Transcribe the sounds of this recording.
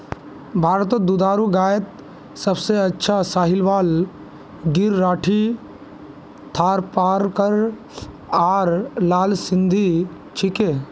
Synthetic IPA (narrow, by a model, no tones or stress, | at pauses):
bʱaːɾt̪̬od̪ud̪aːɾuɡaːjət̪̚ | səbseɐtːʃʰasaːɦɪlʋaːl | ɡɪɾːaːʈʰi | t̪ʰaːɾpaːɾkəɾ | aːɾlaːlsɪ̃nd̪ʱi | t͡ʃʰɪke